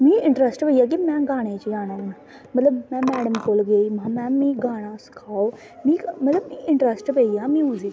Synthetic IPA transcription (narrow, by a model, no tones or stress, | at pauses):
mĩːɪ̃ɳʈɾəsʈbəijaːk̬imɛ̃ːɡaːɽ̃ẽːt͡ʃd͡ʒaːnãːɦʊna | mət̪ləbmɛ̃ːmɛːɽəmkoːlɡeiːmãmɛ̃ːmĩːɡaːɽ̃ãːsɪ̥kʰaːoː | mĩːmət̪ləbmĩːɪɳʈɾəsʈbəijaːmĩːʊziː